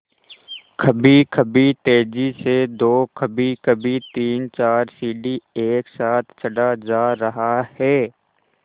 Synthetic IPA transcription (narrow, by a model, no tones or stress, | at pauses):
kʰɐbikʰɐbit̪eːd͡ʒised̪oːkʰəbikʰɐbit̪iːnt͡ʃaːɾsiːɖieːksaːt̪ʰt͡ʃʰɐɖad͡ʒaːɾɐɦahɛː